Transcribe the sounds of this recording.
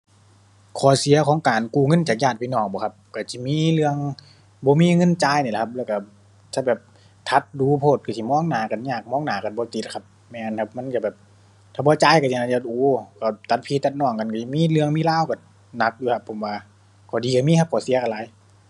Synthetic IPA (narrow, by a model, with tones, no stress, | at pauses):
kʰɔː˨˩si˨˦ɐkʰɔː˨˦ŋkaː˨nkuː˧˩ŋɤ˧˥˨nt͡ɕaː˨˩k̚jaː˧˩t̪̚pa˧˨nɔː˧˩ŋbɔː˨˦kʰa˧p̚ka˧˩si˧˦miː˧˥˨lɯ˧əŋ | bɔː˧˦miː˧˥˨ŋɤ˧˥˨nt͡ɕaː˧˨jniː˧˩˨kʰa˧p̚lɛː˧˩˨ka˧˩ | ta˧˩bɛː˨˩p̚ | t̪ʰa˧˦t̪̚duː˨˧˦pʰoː˧˩t̪̚ka˧˩si˧˩˨mɔː˧˥˨ŋnaː˨˩ka˨˩nɲaː˧˨˩k̚mɔː˧˥˨ŋnaː˨˦ka˨˩nbɔː˧˦t̪i˧˦t̪̚kʰa˧p̚ | mɛː˧˩na˧˨nkʰa˧p̚ma˧˥˨nt͡ɕa˧˩bɛː˨˩p̚ | t̪ʰaː˧˩bɔː˧˦t͡ɕaː˧˨jka˧˩sʰi˧a˧˩a˧˩ʔʔuː˨˦ka˧˩t̪a˨˧˦t̪̚pʰiː˧˩t̪ːa˧t̪̚nɔː˧˩˨ŋka˨nka˧˩i˧˨miː˧˥˨lɯ˧əŋmiː˧˥˨laː˧˥˨wka˧˩ | na˧k̚duː˧˦kʰa˧pʰːo˨˦mwaː˧ | kʰɔː˨˩diː˨ka˧˩miː˧˥kʰa˧p̚kʰɔː˨˩˨si˨˦ka˧˨laː˨˧˦j